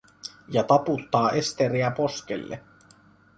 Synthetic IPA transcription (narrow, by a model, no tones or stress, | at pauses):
jɑt̪ɑput̪ːɑːʔest̪eɾiæpo̞sk̟ḛlːḛ